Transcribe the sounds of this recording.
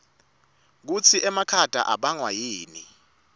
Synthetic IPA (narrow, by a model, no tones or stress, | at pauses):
k̬ut͡sʰiʔɛmakʰad̥ʱa̰ʔaɓaŋwajiːni